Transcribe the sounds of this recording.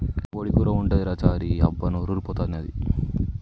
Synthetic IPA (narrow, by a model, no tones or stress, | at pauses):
oɽikuːɾɐuɳɖed̪iɾɐt͡ʃaːɾiɐbːɐnuɾuɾupɔːt̪aːnɐd̪ḭ